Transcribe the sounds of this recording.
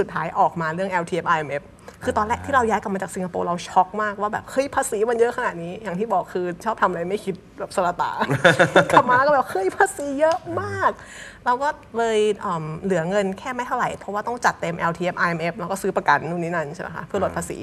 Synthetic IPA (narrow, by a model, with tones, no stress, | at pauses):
su˨˩t̪̚ʰːaː˦˥jʔɔː˨˩k̚maː˧ɾɯ˥˩əŋʔɛː˧wt̪ʰiː˧e˦˥p̚ʔaː˧ʔe˧mʔe˦˥p̚ | kʰɯː˧t̪ɔː˧nlɛ˦˥ʔt̪ʰiː˥˩ɾa˧wjaː˦˥jka˨˩pmaː˧t͡ɕaː˨˩k̚si˧ŋka˧po̰ː˧ɾa˧wt͡ɕʰɔ˦˥k̚maː˥˩k̚waː˥˩bɛː˨˩p̚hɤ˦˥˩jpʰaː˧siː˩˦ma˧njɤ˦˥ʔkʰa˧na˨˩t̪̚niː˦˥ja˨˩ŋt̪ʰiː˥˩bɔː˨˩kʰːɯː˧t͡ɕʰɔː˥˩p̚t̪ʰa˧m˧ɾa˧jma˥˩jkʰi˦˥t̪̚bɛː˨˩p̚sa˧laː˧t̪a̰ː˩˦kʰa˧˩maː˧la˧˦kɔ˥˩bɛː˨˩hɤ˦˥˩jpʰaː˧siː˨˩˦jɤ˦˥ʔmaː˥˩k̚ | ɾa˧wkɔː˥˩ | lɤː˧jʔəː˨˩mlɯ˩˦ɐŋɤ˧nkʰɛː˥˩ma˥˩jt̪ʰa˥˩wɾa˨˩jpʰɔ˦˥waː˥˩t̪ɔ˥˩ŋt͡ɕa˨˩t̪ːe˧mʔɛ˧wt̪ʰiː˧e˦˥p̚ʔaː˧ʔe˧mʔe˦˥p̚ɾa˧˦wkɔː˥˩sɯː˦˥pa˧ka˧˩nːuː˧˩niː˦˥na˧nt͡ɕʰe˥˩ma̰˦jkʰa̰˦˥pʰɯ˥˩əlo˨˩t̪pʰaː˧sḭː˩˦